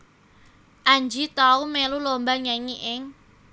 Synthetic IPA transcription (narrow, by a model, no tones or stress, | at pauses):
ʔaɲd͡ʒit̪aumɛlulombanjaŋiʔɪŋ